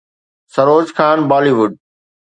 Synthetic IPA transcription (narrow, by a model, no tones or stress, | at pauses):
sɐɾoːd͡ʑxʰaːnbaːliʋʊɖ̚